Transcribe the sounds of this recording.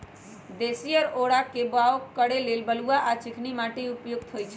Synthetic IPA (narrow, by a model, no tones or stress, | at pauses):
d̪esijəɾoɽakebaokːəɽelelbəluaʔat͡ʃɪkʰnimaʈeupjʊɡ̚t̪ʰɦojt͡ʃʰɛ